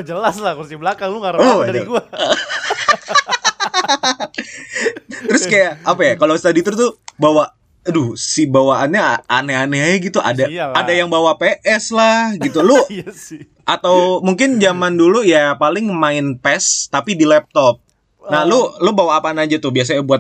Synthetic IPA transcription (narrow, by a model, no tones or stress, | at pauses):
d͡ʒəlaslakusiblakaŋluŋaɾɔdaɾiɡua | t̪əɾʊskajaːpajakalost̪adit̪ʊrt̪ʊbawa | dʊsibawaanɲaaneaneajaɡit̪uʔa̰daadajaŋbawapeʔɛslahɡit̪ulʊ | ʔat̪awmuŋkɪnd͡ʒamandulujapalɪŋmaɪnpɛst̪apidilɛp̚t̪ɔp̚ | nalʊlʊbawaːpaːnaad͡ʒat̪ʊbias̬aɲabuat̪̚